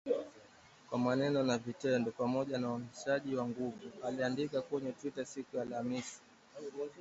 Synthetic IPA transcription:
kwamanɛnɔnavitɛndɔpamɔʄanauniʃaʄiwaŋɡuvualiandikakɛɲɛtwitasikujalamiʃi̥

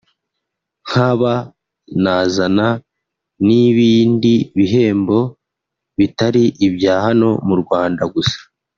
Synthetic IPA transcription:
ŋ̥haβa | nazana | niβiːndiβiɦe̞ːmbo̞ | βitaɾiʔibjaːhano̞muɾɡwaːndaɡusḁ

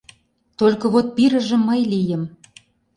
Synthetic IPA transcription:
t̪olʲkɤ̆βot̪̚piɾə̆ʒə̆mːɤjlijə̆m

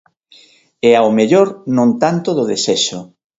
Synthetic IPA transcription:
ɛaomeʎoɾnõnt̪ant̪oðʊðesɛʃʊ

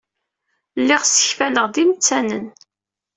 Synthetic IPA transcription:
lːɪʁsə̥çfæləʁðimt͡sːænən

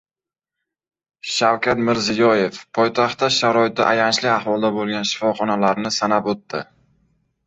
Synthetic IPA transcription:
ʃawkʲat̪mɪɾzɪjɒje̞fpʰɒjt̪ʰaχt̪ːaʃaɾɒɪt̪ɪ̰ʔajant͡ʃlɪahvɒlˠd̪abolˠɡʲanʃɪ̥fɒχɒnalaɾnɪsanapot̪ːɪ

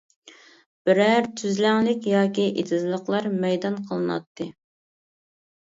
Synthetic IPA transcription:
b̥ɪɾæɾt̪ʰyzlæŋlɪkʲjɑːkʲiʔet̪ʰɨzlˠəχlˠɑɾmɛjd̪ɑnqʰəlˠɨnɑ̰t̪ʰːɨ

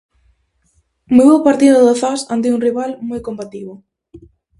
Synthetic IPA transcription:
muwowpaɾt̪iðʊðoθasand̪̬iuŋriβalmojkompat̪iβo

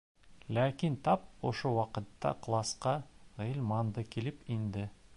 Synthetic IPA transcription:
lækʲint̪ʰɑp̚o̰ʃowɑqə̆t̪ːɑ̰qlˠɑsqɑʁilʲmɑnd̪ɤkʲʰilɪpind̪ɪ

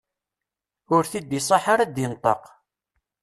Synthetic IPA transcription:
ʊɾθid̪isˤɑħaɾad̪jɪnt̪ˤə̰q

